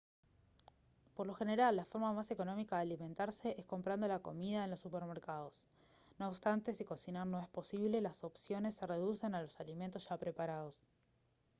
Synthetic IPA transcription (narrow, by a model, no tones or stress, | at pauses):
poɾlo̞xe̞ne̞ɾalːafo̞ɾmamase̞ko̞no̞mikaðealimẽ̞nt̪aɾse̞ʔesko̞mpɾand̪o̞lako̞̰mið̞aenlo̞sːupeɾmeɾkað̞o̞s | no̞ːpst̪ant̪e̞siko̞sinaɾno̞e̞spo̞siβle̞laso̞psjo̞ne̞sːere̞ð̞use̞nalo̞salimẽnt̪o̞sʒ̥apɾe̞paɾað̞o̞s